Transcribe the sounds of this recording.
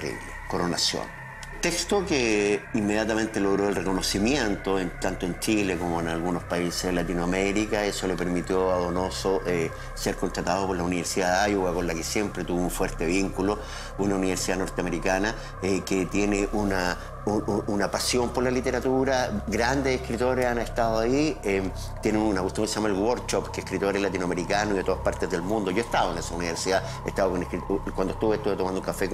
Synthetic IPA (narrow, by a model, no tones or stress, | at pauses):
rḭlekoɾonasjo̰n | t̪ekst̪okeimːe̞ðjat̪amẽ̞nt̪elo̞ɣɾoelreko̞no̞simjent̪oent̪ant̪oent͡ʃilekomoenalɣunospaisezðelat̪inwameɾikae̞solepe̞ɾmit̪joaðono̞soʔe | se̞ɾkont̪ɾat̪að̞opo̞ɾlauniβeɾsiðaðeajuɣako̞nlakesje̞mpɾet̪uβouɱfweɾt̪eβiŋkulo | unauniβeɾsiðano̞ɾt̪eameɾikana | eket̪je̞neʔuna | uunapasjo̞mpoɾlalit̪e̞ɾat̪uɾaɡɾand̪esehkɾit̪o̞ɾesaneht̪aðoaiem | t̪jeneunakust̪joŋkeseamaelwoɾt͡ʃopkeːhkɾit̪oɾelat̪̬inoameɾikanoiet̪oaspaɾt̪ezðe̞lmũnd̪o̞ʝo̞eht̪aβoenesauniβeɾsiða | eht̪aβakonekɾit̪kwand̪oe̥t̪uβeeht̪uβet̪omand̪ouŋkafek